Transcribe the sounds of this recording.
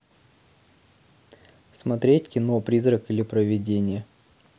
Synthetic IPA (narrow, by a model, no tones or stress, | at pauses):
smɐt̪ɾʲetʲkʲɪnopɾʲizrəkilʲɪpɾəvʲɪdʲenʲɪjə